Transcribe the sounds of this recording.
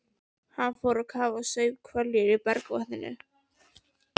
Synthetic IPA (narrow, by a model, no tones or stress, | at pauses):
hanːfoːwɾakʰaːvasœɥvkʰvœljɪɾɪpɛɾkva̰hðɪnːʏ̰